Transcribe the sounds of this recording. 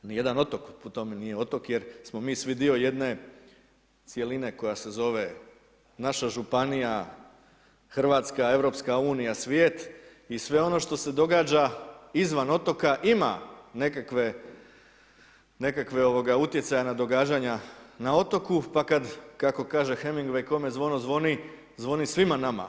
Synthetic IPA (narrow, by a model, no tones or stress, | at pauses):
nije̞d̪ano̞t̪o̞kpot̪o̞menije̞o̞t̪o̞kje̞ɾsmo̞miːsʋid̪io̞je̞d̪ne̞ | t̪sje̞line̞ko̞jase̞zo̞ʋe̞ | naʃaʒupanija | xr̩ʋaːt̪skae̞ʋɾo̞pskauːnijasʋjeːt̪ | isʋe̞o̞no̞ʃt̪o̞se̞d̪o̞ɡaːd͡ʑaizʋano̞t̪o̞kaʔima̰ne̞kakʋe̞ | ne̞kakʋe̞o̞ʋoɡaut̪je̞t̪sajanad̪o̞ɡaːd͡ʑaɲanao̞t̪o̞kupakad̪kako̞kaːʒe̞xemiŋɡʋejko̞mezʋo̞no̞zʋo̞ni | zʋo̞nisʋimanama̰